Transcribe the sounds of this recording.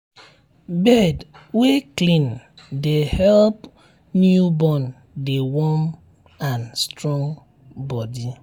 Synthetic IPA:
bɛdweklĩndehɛlp | njubɔn | dewɔm | anstɾɔ̃ŋ | bɔdi

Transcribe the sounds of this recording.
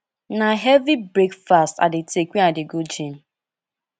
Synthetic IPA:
naɦɛvibɾekfasta̰dɪtekʷiadɪɡod͡ʒim̩

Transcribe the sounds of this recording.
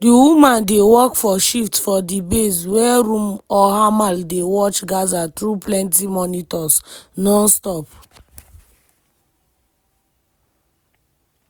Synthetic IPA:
diwumãndewɔkfɔʃiftfɔdibeswɛɾũmɔhamaldewɔt͡ʃɡazatɾuplɛ̃ntimɔnitɔsnɔ̃nstɔp

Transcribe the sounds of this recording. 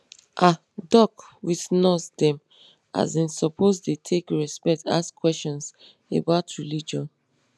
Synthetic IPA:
ʔa | dɔkwiθnɔsdɛ̃m | a̰zĩnsɔpʰozdetʰekɹɛspɛta̰skʰwɛst͡ʃɔ̃ns | ḛbaʊtɹilid͡ʒɔ̃n

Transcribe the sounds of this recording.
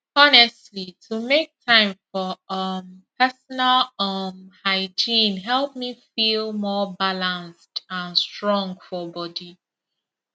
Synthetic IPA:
ɔnɛstlitʰumek̚tʰãɪ̃mfɔʌmpɛsɔnalʌmhaɪd͡ʒĩnɦɛlˠp̚mifilmɔbalãnstãnstɹɔ̃ŋɡfɔbɔdi

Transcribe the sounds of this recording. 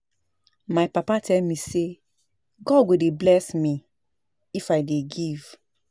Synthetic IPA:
majpapatʰɛlmĩse | ɡɔd̚ɡodeblɛsmĩ | ifajdeɡiv̥

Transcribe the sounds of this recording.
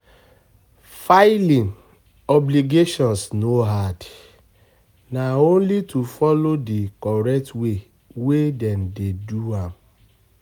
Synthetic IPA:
faɪlĩn | ɔbliɡeʃɔ̃nsnoɦad | naõnlitufɔlodikɔɾɛk̚twe | wedɛndeduam

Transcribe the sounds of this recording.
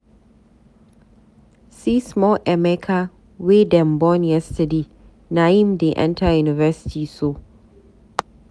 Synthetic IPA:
sismɔlʔɛmɛkʰa | wedɛ̃mbɔnjɛstɐdeː | najimdeʔɛ̰ntʰajunɪvɛsɪ̥tʰiːso

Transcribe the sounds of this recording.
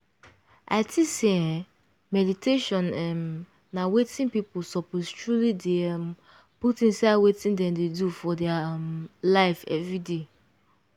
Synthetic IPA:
a̰ɪtʰiseɛ̃ | mɛditʰeʃɔ̃nɛm | nawetĩnpipʊlsɔpostʰɹulideɛ̃m | putĩnsawetĩndɛ̃mdedufɔdɛamlaɪfɛ̰vɹide

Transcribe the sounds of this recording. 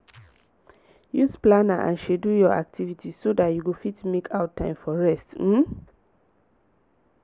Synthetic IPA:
jusplanaʔã̰nʃɛdujɔʔa̰k̚tʰivitʰisodatjuɡofitmekʰaʊtʰːãɪ̃mfɔɹɛstm̩

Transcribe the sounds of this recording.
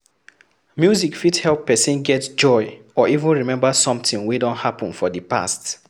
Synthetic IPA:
mjuzikfithɛlpːɛsĩnɡɛtd͡ʒɔɪ | ɔivũnɹimɛ̃mbasɔ̃mtĩŋwidɔ̃nthapɔ̃nfɔðəpa̰st

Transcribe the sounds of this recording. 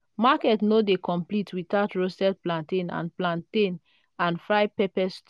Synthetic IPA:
makɛtnodekɔ̃mplitʰwitatɹosɛt̚plãntẽnã̰nplãntẽn | ãnfɹaɪpɛpɛst

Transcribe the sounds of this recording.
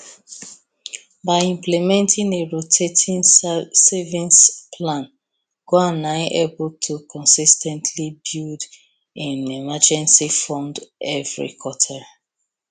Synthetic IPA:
baɪĩmplɛmɛ̃ntʰĩneɹotʰetʰĩnsɛvĩnspʰlãn | ɡ̥oanaɪʔebʊltʰukʰɔ̃nsistʰɛ̃ntʰlibild | ĩnimad͡ʒɛ̃nsifɔ̃ndɛvɹḭkʰwɔtʰa

